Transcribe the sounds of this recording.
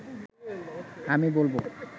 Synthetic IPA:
amibolbo

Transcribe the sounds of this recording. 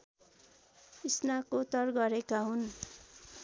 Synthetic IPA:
isnakot̪ʌrɡʌɾekaɦun

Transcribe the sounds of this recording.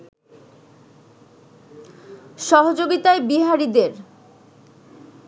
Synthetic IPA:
ʃɔɦod͡ʑoɡit̪aebiɦaɾid̪eɾ

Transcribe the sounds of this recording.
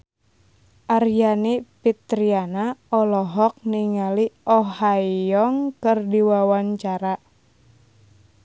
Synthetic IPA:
ʔarjanipit̪ɾianaɔlɔɦɔk̚niŋaliʔɔɦajɔŋkɨrdiwawaɲt͡ʃaɾa

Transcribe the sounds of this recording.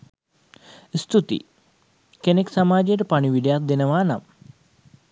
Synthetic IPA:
st̪ut̪ḭ | keneksamaːd͡ʒejəʈəpaɳiʋiɖejat̪̚d̪enəʋaːna̰m

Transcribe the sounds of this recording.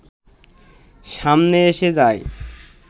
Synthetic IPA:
ʃamneeʃed͡ʑae

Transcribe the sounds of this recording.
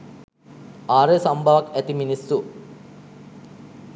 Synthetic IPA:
aːɾesɐmbʱaʋɐkæt̪iminisːu

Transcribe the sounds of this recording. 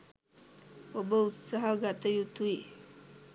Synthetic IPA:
wobəut̪saɦaɡat̪əjut̪ui

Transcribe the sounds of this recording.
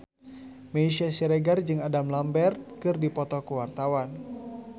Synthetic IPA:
meiʃiasiɾɛɡard͡ʒɨŋadamlambɛrt̪̚kɨrdipɔt̪ɔkuwart̪awan

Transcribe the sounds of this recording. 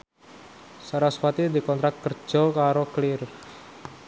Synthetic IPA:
saɾaswat̪id̪i̤kɔnt̪ɾak̚t̪̚kər̥ʒ̥ɔ̤kaɾoklɪr

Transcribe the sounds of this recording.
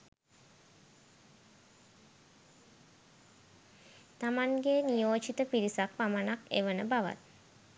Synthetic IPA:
t̪amaŋɡenijoːt͡ʃit̪əpiɾisak̚pamanakḛʋənəbaʋa̰t̪̚

